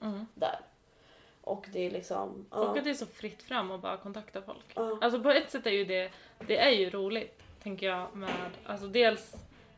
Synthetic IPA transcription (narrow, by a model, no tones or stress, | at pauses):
d̪æ̰ːɾ | ʔɔkd̪ɛlɪksɔ̰mʔɔkːat̪d̪ɛæʂɔfɾɪt̪ːfɾamːɔbɑ̰ːɾakʰɔnt̪ʰakt̪afɔ̰lkals̬ɔpɔɛt̪ːsɛt̪ːæɾjɵd̪ɛd̪̥ɛæɾjɵɾuːlɪt̪ʰːɛŋkəjɑːɡmɛːd̪a̰ls̬ɔd̪eːls